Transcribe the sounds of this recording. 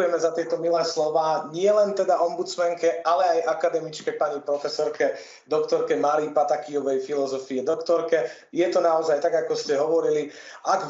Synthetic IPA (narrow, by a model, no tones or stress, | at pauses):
jɛmɛzat̪ɪɛt̪ɔmilɛːslɔʋaːɲɪɛlɛnt̪ɛd̪aʔɔmbut͡smɛŋkɛalɛajʔakad̪ɛmit͡ʃkɛpaɲipɾɔfɛsɔɾkɛ | d̪ɔkt̪ɔɾkɛmaɾipat̪akiɔʋɛjfilɔzɔfiɛd̪ɔkt̪ɔɾkɛ | jɛt̪ɔnaɔzajt̪aɡakɔscɛɦɔʋɔɾiliʔaɡ